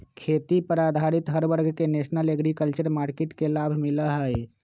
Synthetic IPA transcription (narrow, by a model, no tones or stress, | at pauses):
kʰet̪ipəɾad̪ʱaɾit̪ɦəɾbəɾɡʱkenesnəleɡɾikəlt͡ʃəɾmaɾkeʈkelabʱmiləɦəj